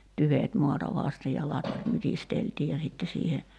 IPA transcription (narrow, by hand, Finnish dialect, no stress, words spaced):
tyʋeˑt muɑtɑ ʋɑˑste jɑ lɑtʋɑt mytisteltiːj̆ jɑ sitːe siːhe